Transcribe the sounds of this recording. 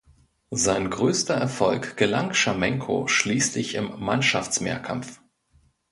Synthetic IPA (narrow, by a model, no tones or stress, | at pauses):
zaɪnɡʁøːstɐɛɐfɔlkɡ̥əlaŋʃamɛŋkʰo̰ʃliːslɪçɪmːanʃaft͡smḛːɐkʰa̰mf